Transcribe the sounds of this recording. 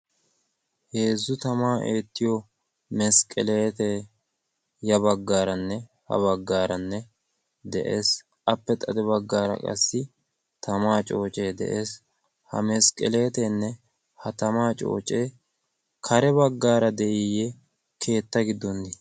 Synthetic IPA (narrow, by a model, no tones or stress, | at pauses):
heːzːʊt̪ɐmaːʔeːt̪ːɪjɔ | mɛskʼɛleːt̪ɛ | jɐbɐɡːaːɾɐnːɛ | hɐ̰βɐɡːaːɾɐnːɛ | d̪ɛʔeːs | ʔɐpːɛt̪ʼɐd̪ɛbɐɡːaːɾɐ̰kʼɐ̰sːɪ | t̪ɐmaːt͡ʃʼo̞ːt͡ʃʼeːd̪ɛ̰ʔeːs | hɐ̰mɛskʼɛle̞ːt̪ɛnːɛ | hɐt̪ɐmaːt͡ʃʼo̞̰ːt͡ʃʼe̞ː | kʰɐɾɛbɐɡːaːɾɐd̪ɛʔɪjɛ | kʰe̞ːt̪ːɐɡɪd̪ːɔnːɪ